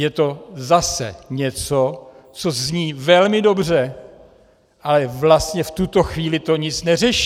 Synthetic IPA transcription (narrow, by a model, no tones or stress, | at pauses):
jɛt̪o̞zasɛ̰ɲɛt͡so | t͡so̞zɲiːvɛlmɪdo̞br̝ɛ | ʔalɛvlast̪ɲɛft̪ut̪o̞xviːlɪt̪o̞ɲɪt͡snɛrɛʃi